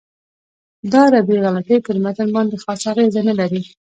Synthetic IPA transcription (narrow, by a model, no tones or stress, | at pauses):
d̪ɑɾabeɣɑlat̪ejpəɾmat̪əlbɑnd̪exɑsaɣezanalaɾi